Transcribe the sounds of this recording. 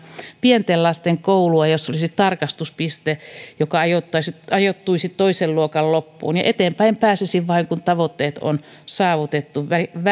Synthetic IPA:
pient̪ellɑst̪eŋkouluɑjosːolisit̪t̪ɑrkɑst̪uspist̪ejokɑɑjot̪ːɑsitɑjot̪ːuisit̪t̪oiselluokɑllopːṵːnjɑʔet̪eːmpæimpæːsesiʋʋɑiŋkunt̪ɑʋot̪ːeːt̪o̰n | sɑːʋut̪et̪ːuʋʋæʋ

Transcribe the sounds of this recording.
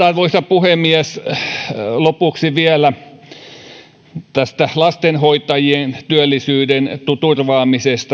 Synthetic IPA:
tɑrʋoisɑpuhemiæs | lopuksiʋiælæ | t̪æst̪ælɑst̪enhoit̪ɑjient̪yølːisyːdent̪ut̪urʋɑːmisest̪ɑ

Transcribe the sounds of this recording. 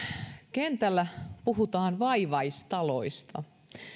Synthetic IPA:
kent̪ælːæpuɦut̪ɑːnʋɑiʋɑist̪ɑlo̰ist̪ɑ̰

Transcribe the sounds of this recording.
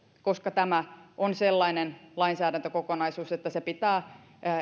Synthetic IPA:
koskɑt̪æmæʔonselːɑinenlɑinsæːɾænt̪økokonɑisuːset̪ːæsepit̪æː

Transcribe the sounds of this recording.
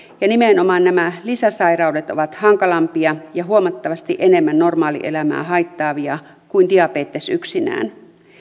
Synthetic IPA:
jɑnimenomɑːnnæmælisæsɑirɑudet̪o̞ʋɑt̪hɑŋkɑlɑmpiɑjɑɦuomɑt̪ːɑʋɑst̪iʔenemːænːo̞rmɑːlḭʔḛlæmæ̰ːhɑit̪ːɑːʋiɑ | kuindiɑpeːt̪ːesyksinæ̰ːn

